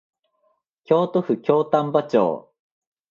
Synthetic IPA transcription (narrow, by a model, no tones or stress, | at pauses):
kʲo̞ːt̪oɸɯ̟kʲo̞ːt̪ãmbat͡ɕo̰ː